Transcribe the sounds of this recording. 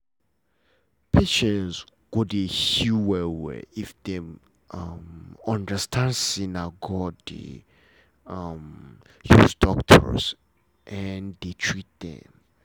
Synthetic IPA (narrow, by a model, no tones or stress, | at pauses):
pʰeʃɛ̃nsɡ̥odehuwɛwḛifdɛ̃m | amɔ̃ndəstʰãnsĩnaɡɔdḭ | am | jusdɔk̚tʰɔ̰ɹs | ʔɛndetʰɹit̚d̪ɛ̰̃m